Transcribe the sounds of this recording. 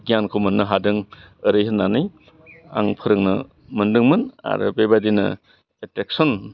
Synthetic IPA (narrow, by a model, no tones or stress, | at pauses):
ɡijankʰowmɯnːɯɦadɯŋɯɾɯjɦɯnːanɯj | a̰ŋpʰɯɾɯŋnɯ | mɯndɯŋmɯna̰ɾɯ̰bebadinɯ̰ | etek̚sɔn